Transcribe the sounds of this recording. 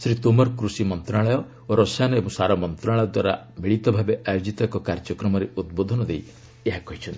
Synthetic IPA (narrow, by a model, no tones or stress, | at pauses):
sɾit̪umɔɾkɾusimɔnt̪ɾaɭɔjɔ | oɾɔsanɔebɔ̃ŋsaɾɔmɔnt̪ɾaɭɔjɔd̪waɾa | beɭit̪ɔbʱabeʔajod͡ʒit̪ɔkɔkaɾd͡ʒɔkɾɔmɔɾeud̪̚bod̪ʱɔnɔd̪ej | eɦakɔɦit͡ʃʰɔnt̪i̥